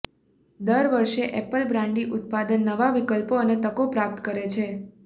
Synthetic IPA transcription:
d̪əɾʋəɾʃeʔɛpəlbɾãɳɖiʔʊt̪̚pad̪ənːəʋaʋikəlpoənet̪əkopɾap̚t̪kəɾet͡ʃʰe

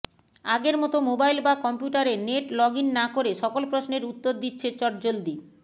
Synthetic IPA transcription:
aɡeɾmɔt̪omobajlbakɔmpjuʈaɾeneʈlɔɡinːakoɾeʃɔkolpɾosneɾut̪ːoɾd̪itːɕʰet͡ɕɔʈd͡ʑold̪i

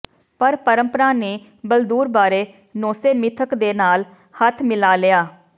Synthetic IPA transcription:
pəɾpəɾəmpəɾaːneː | bəld̪uːɾbaːɾeː | noːseːmɪt̪ʰəkd̪eːnaːl | hət̪ʰmɪlaːlɪaː

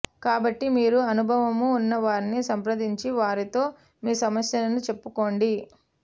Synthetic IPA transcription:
kaːbɐʈːimiːɾuɐnubʱɐʋɐmuːnːɐʋaːɾinisɐmpɾɐd̪iɲt͡ʃiʋaːɾit̪o̞ː | miːsɐmɐsjɐlɐnut͡ʃe̞pːukoːɳɖi

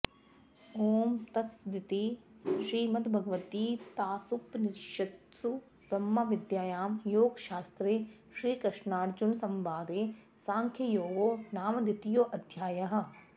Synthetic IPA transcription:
oːmt̪ɐsd̪ɪt̪iʃɾiːmɐt̪bʱɐɡʋət̪iːt̪aːsupnɪɾʃɐt̪u | bɾɐmːaʋɪd̪jaːjaːmjoːɡʃaːst̪ɾe | ʃɾiːkɐʃnaːʈd͡ʒʊnsɐmbaːd̪eːsãːŋkʰjɐjoːɡoːnaːmd̪ɪt̪ijoːʔɐd̪ʱjaːjɐɦ̆

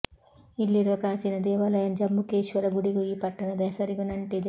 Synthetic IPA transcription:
ilːiɾʋɐkɾaːt͡ʃinɐd̪ɛːʋalɐjɐnd͡ʒɐmːukeːʃʋɐɾɐɡuɽiɡuiːpɐʈːɐnɐd̪ɐsɐɾiɡunɐɳʈed̪

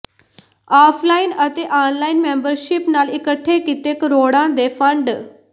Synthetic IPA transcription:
afʰlainət̪eʔanlainmembəɾɕipnalikəʈʰːekit̪ekɾoɽãd̪efəɳɖ

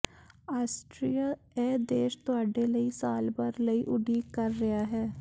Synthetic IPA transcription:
aːsʈɾijaː | ɛːd̪eːʃt̪ʊaːɖeːləiːsaːlbəɾləiːʔʊɖiːkəɾːɐjaːɦɛː

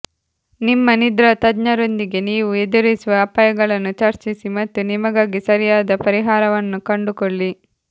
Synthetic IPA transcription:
nimːɐnid̪ɾɐt̪ɐdɲɐɾo̞nd̪iɡe̞niːʋued̪uɾisuʋɐːpaːjɐɡɐɭɐnːut͡ʃɐɾt͡ʃisimɐt̪ːunimɐɡaːɡisɐɾijaːd̪ɐpɐɾiɦaːɾɐʋɐnːukɐɳɖukoɭːi

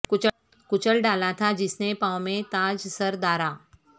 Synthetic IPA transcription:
kʊt͡ʃəlɖaːlat̪ʰad͡ʒɪsnepãːwmẽt̪aːd͡ʒsɐɾd̪aːɾaː

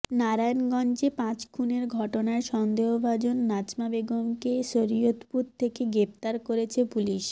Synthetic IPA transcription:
naɾajnɡɔnd͡ʑepãt͡ɕkʰuneɾɡʱɔʈonaeʃɔnd̪eɦobʱad͡ʑonːat͡ɕmabeɡomkeʃoɾiot̪puɾt̪ʰːekeɡɾep̚t̪aɾkoɾet͡ɕʰepuliʃ

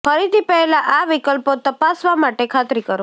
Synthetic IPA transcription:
fəɾit̪ipɛɦelaʔaʋikəlpot̪əpasʋamaʈekʰat̪ɾikəɾo

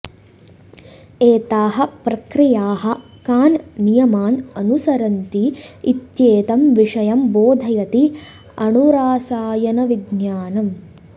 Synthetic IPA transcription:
eːt̪aːɦɐ̆pɾɐkɾijaːɦɐ̆ | kaːnnijɐmaːnɐnusɐɾɐnt̪iit̪jeːt̪ɐmʋiʂɐjɐmboːd̪ʱɐjɐt̪i | ɐnuɾaːsaːjɐnɐʋid̪njaːnɐm

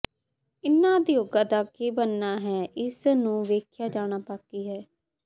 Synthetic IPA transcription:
ɪnːãːd̪ijoːɡãːd̪aːkeːbənːaːɦɛːʔɪsnũːʋeːkʰjaːd͡ʒaːɽ̃aːpaːkiːɦɛː

